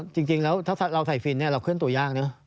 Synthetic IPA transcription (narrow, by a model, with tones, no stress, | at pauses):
t͡ɕɨ˧ŋt͡ɕi˧ŋlɛː˨˦˥wt̪ʰɛː˦˥t̪ʰla˧wt̪ʰa˨˩jfi˨˩nɛː˧˩laː˨˩kʰwi˧˥ənt̪u˨˩jzaː˧ŋnɨ˨˦ɐ